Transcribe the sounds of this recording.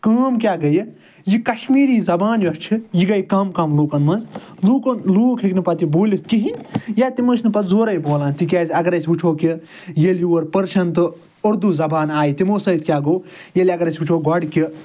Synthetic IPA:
kaːmkʲjaːɡɐj | jikɐʃmiːɾiːzɐbaːnʋʲjʲɐst͡ʃʰijiɡɐjkamkɐmloːkɐnmɐnz | luːkonluːkʰiknɨpɐt̪iboːlʲit̪kiɦinʲjaːt̪imosʲnɨpɐt̪zoːɾɐjboːlaːnt̪ikʲaːzʲɐɡɐɾɐsʲut͡ʃʰoːkʲi | jeljuːwɐɾpəɾʃɐnt̪ɨ | oɾd̪uzɐbaːnaːjit̪imoːsɐit̪̚ʰkʲaːɡoːjelʲɐɡɐɾɐsʲut͡ʃʰoːɡɔɽkʲi

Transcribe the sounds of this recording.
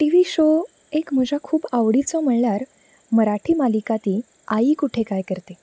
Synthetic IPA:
ʈiʋiɕo | ekm̤əd͡ʑʱakʰuːbaʋɽit͡sɔm̤əɭɳaɾ | məɾaʈʰiːmalikat̪iː | aiːkuʈʰekajkəɾt̪e

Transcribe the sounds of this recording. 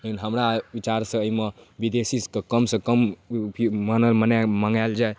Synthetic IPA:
unɦəmɾabit͡ʃaɾsʌ̃ːjmʌbid̪esiskʌkʌmsʌ̃kʌmpʰimənʌlmənamaŋɡald͡ʒae

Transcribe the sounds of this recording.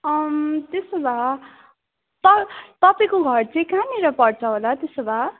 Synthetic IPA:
ʌmt̪esobʱa | t̪ʌt̪ʌpaĩkoɡʱʌrt͡sʰĩkãniɾʌpʌɽt͡sʰʌɦolat̪esobʱa

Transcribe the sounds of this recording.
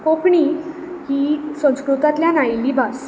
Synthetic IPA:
kokɳiː | hiːsə̃w̃skɾut̪at̪ljanajliːbʱas

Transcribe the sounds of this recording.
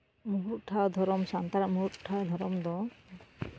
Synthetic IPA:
muɦuɾʈʰad̪ʱɔɾɔmsant̪aɾamuuɾʈʰad̪ʱɔɾɔmd̪ɔ

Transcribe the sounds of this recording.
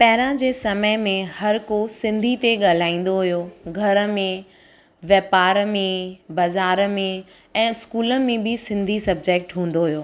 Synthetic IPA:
pɐɦɪɾãd͡ʑeːsɐməɪmẽhɐɾkosɪ̃nd̪ʱit̪eɠaːl̤aːĩːn̆d̪oɦʊjoɡʱɐɾə̆mẽ | ʋjɐpaːɾmẽbɐzaːɾmẽ | ɛ̃ːskuːlə̆mẽbɪsɪ̃nd̪ʱisɐb̚d͡ʑeːk̚ʈɦũːn̆d̪oɦʊjoː

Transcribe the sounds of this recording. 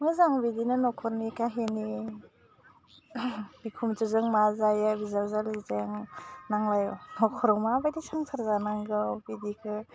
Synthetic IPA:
mɯzaŋbidinɯnɔkʰɔɾnikaɦeni | bikʰumd͡ʒɯzɯŋmazajabizaɾzalizeŋnaŋlajnɔkʰɔɾɔmabajdisʰaŋsʰaɾzanaŋɡɯwbidikʰɯ

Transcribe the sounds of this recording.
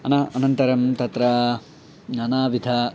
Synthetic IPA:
ɐnɐɐnɐnt̪ɐɾɐmt̪ɐt̪ɾɐ | naːnaːʋid̪ʱɐ

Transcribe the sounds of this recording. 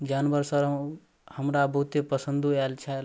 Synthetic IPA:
d͡ʒanbəɾsəɾ | həmɾabəɦut̪epəsənd̪ʱuɛlt͡ʃʰɛ

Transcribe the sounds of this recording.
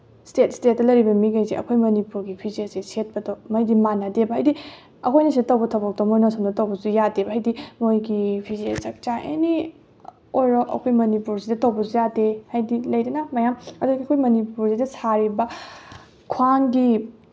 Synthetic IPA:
stet̚stet̚ːɐlɐjɾibɐmiɡajziʔɐ̰kʰojmɐnipuɾɡipʰizieseset̚pɐdowmɐjdimanɐdebɐɦajdi | ɐkʰojnɐsidɐtɐwbɐtʰɐwbɐk̚tɔmojnɐsʰomdɐtɐwbɐzujadebɐɦajdimojɡipʰiziet͡ʃɐk̚t͡ʃaʔḛni | ojɾɔʔɐ̰kʰojmɐnipuɾsidɐtɐwbɐzujadehajdilɐjdɐnɐmɐjamɐduɡiɐkʰojmɐnipuɾzidɐsʰaɾibɐ | kʰwaŋɡi

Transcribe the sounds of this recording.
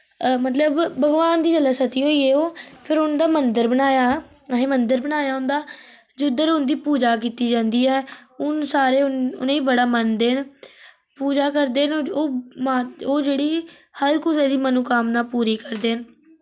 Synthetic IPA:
mət̪ləbbəɡʋaːnd̪iːd͡ʒəlaːsət̪iːɦoːiːɛːoːpʰɪɾʊnd̪aːmənd̪əɾbənaːjaː | ɦẽːmənd̪əɾbənaːjaːɦʊ̃ːnd̪aː | d͡ʒod̪əɾʊnd̪iːpuːd͡ʒaːk̬iːt̪iːd͡ʒãːnd̪iːɛːʊnsaːɾeːʊ̰nẽːiːbəɽaːmənd̪eːn | puːd͡ʒaːkəɾd̪eːnoːmaːoːd͡ʒeːɽiː | həɾkʊseːd̪iːmənũːkamnaːpuːɾiːkəɾd̪eːn

